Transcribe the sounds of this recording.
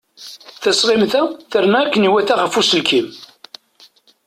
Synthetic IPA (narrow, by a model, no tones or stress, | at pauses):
θæsʁɪmθæθəɾmæːkːəniwæθæχəfusəlkʰim